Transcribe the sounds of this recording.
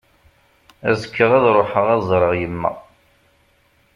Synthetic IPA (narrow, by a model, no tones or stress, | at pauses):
æ̰zəkːəʁæðɾˤoħəʁæzˤɾˤəʁjəmːæ̰